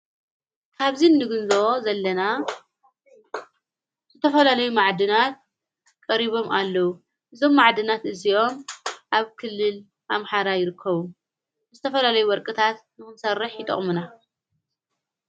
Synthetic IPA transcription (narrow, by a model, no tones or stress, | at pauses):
kʰaβzinːɨɡɨnzozɐlːɐna | zɨt̪ʰɐfɐlalɐjumaʕd̪ɨnat̪̚ | kʼɐɾiβo̞mʔalːɐwu | ʔɨzo̞mːaʕd̪ɨnat̪ʔɨzio̞mʔaβkʰɨlːɨl | ʔamħaɾajɪɾɨkʰːɐβu | ɨzɨt̪ʰɐfɐlalɐjuwɔɾkʼɨt̪ʰat̪nɨxɨnsɐrːɨħjɪt̪ʼɨ̰χʼmuna